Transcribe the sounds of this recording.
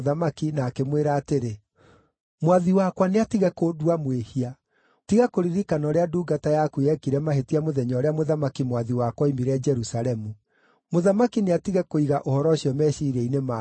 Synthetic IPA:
ðamakinaːkemweɾaːteɾe | mwaðiwakwaneatiɣɛkodwamwehia | tiɣakoɾiɾikanɔɾeaduːɡatajakuɛkiɾɛmaɦetiamoðɛɲɔɾeamoðamakimwaðiwakwaimiɾɛd͡ʒɛɾusaɾɛmu | moðamakineatiɣɛkoiɣaʔohɔɾɔɕiɔmɛːʃiɾɛinema

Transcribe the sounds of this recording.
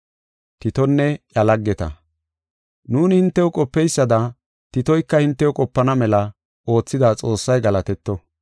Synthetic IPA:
t̪ɪt̪ɔnːɛjɐlɐɡːɛt̪ɐ̰ | nuːnɪhɪnt̪ːɛwɔkʼɔpːɛjsːɐd̪ɐ | t̪ɪt̪ɔjkːɐhɪnt̪ːɛwɔkʼɔpːɐnɐmɛlɐ | ʔo̞ːt͡sːɪd̪at͡sʼo̞ːsːɐjɡɐlɐt̪ɛt̪ːɔ

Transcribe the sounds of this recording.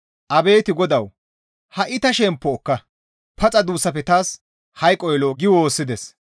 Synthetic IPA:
ʔɐbe̞ːt̪ɪɡɔd̪ɐw | hɐʔɪt̪ɐʃɛmpːɔːkːɐ | pɐt͡sʼɐd̪uːsːɐfɛt̪aːs | hɐjkʼːɔjloːɡɪwo̞ːsːɪd̪ɛs

